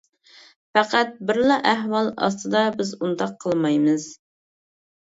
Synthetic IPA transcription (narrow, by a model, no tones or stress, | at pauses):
fæqʰæt̪̚bɪɾlˠɑʔæɦwɑlˠɑ̰st̪ɨd̪ɑbɪzund̪ɑqʰːəlˠmɑjmɨz̥